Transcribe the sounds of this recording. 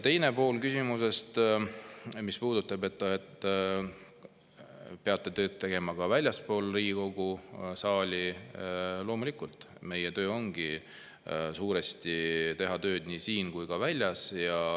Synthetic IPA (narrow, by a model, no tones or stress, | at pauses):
t̪e̞jne̞po̞ːlkysimuse̞st̪ | mispuːd̪̥ut̪ːˑɑbe̞t̪ːɑet̪ː | pe̞ɑt̪ːˑe̞t̪ø̞ːt̪̚t̪ːe̞ɡ̥e̞mɑkɑvælʲjɑspo̞ːlriːɡiko̞ɡ̥usɑːlʲi | lo̞ːmulʲikult̪ˑ | me̞jet̪ø̞ːo̞ŋɡ̥i | suːɾest̪it̪e̞ɦɑt̪ø̞ːd̪̥niːsiːnkujkɑvælʲːjɑsjɑ